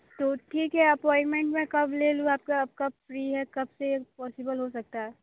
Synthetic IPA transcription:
t̪oːʈʰiːkɦɛɐpɔːɪnmẽɳʈmẽkɐbʱleːluaːp̚kaɐb̚kafɾiːɦɛkɐbsepɔːsɪbəlɦosɐk̚t̪aɦɛ

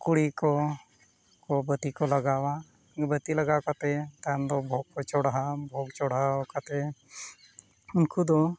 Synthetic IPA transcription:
kuɽikɔ | kɔbət̪ikɔlaɡawa | bət̪ilaɡakat̪ɛt̪and̪ɔbʱɔɡ̚kɔt͡ʃɔɽaɦabʱɔɡt͡ʃɔɽakat̪ɛ | unkud̪ɔ

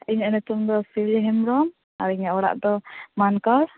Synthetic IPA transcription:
iɲanɛt̪umd̪ɔsiɛɦɛmɾɔm | a̰ɾiɲaʔɔɽa̰ʔd̪ɔmankɔɾ

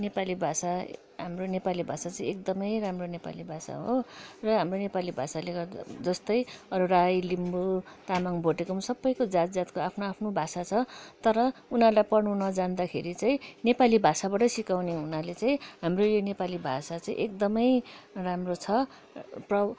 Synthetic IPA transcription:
nepalibʱasa | ɦamronepalibʱasat͡saĩek̚d̪ʌmʌjramronepa̰libʱasa̰ɦorʌɦamronepalibʱasaled͡zʌst̪ʌjʌɾurajlimbut̪amaŋbʱoʈekomũsʌbːʌjkod͡zat̪̚d͡zat̪koapʰnoapʰnobʱasat͡sʰʌt̪ʌɾʌunarlajpʌnunʌd͡zand̪akʰeɾit͡sãĩnepalibʱasabaʈʌsikawneunalet͡saĩɦamrojonepalibʱasat͡saḭ̃ʔek̚d̪ʌmʌjramrot͡sʰʌ | prʌ

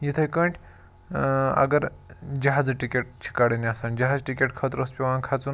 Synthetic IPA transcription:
jit̪ʰɐjkɐɳʈʲʰ | ɐ̰ɡɐɾd͡ʒɐɦaːd͡zɨʈikʲeʈ̚t͡ʃʰi̥kaɽiniasaːnd͡ʒɐɦaːd͡zʈikʲeʈkʰɐt̪ɾospʲiʋãːnkʰat͡sun

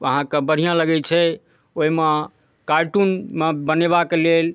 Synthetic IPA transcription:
əɦãkebəɽ̤ijãləɡɛt͡ʃʰɛ | oime | kaɾʈunmebəneβakelel

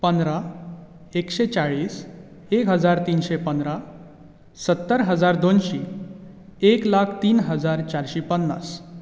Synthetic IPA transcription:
pənd̪ɾa | ekɕet͡saɭiːs | ekɦəd͡zaɾt̪iːnɕepənd̪ɾa | sət̪ːəɾɦəd͡zaɾd̪onɕi | eklakʰt̪iːnɦəd͡zaɾt͡ɕaɾɕipənːa̰s

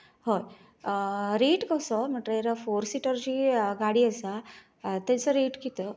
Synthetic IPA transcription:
hoj | ɾeʈkəsɔm̤əʈɾəeɾafoɾsiʈəɾd͡ʑiːɡaɽiːəsa | t̪ãt͡səɾeʈkit̪ə

